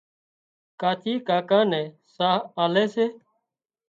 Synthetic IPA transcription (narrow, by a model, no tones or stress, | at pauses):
kaːt̪ʰiːkaːkãːnɛ̃ː | saːɦaːleːseː